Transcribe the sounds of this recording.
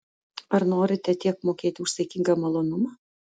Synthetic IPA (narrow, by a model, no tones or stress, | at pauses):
ɐɾnoːɾʲɪt̪ʲɛt̪ʲiɛk̚moːkʲeːt̪ʲɪʊʃsʲɐɪkʲɪŋɡɐmɐlˠoːnʊmɑː